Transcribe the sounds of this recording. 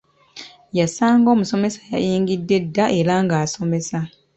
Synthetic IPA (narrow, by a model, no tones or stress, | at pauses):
jasaːŋɡo̞ːmuso̞me̞sḁja̰jiːŋɡidːe̞dːaʔe̞ɾaŋɡaːso̞me̞sa